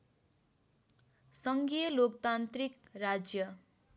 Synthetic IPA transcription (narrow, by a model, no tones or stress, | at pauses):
sʌŋɡijʌlok̚t̪ant̪rikrad͡zjʌ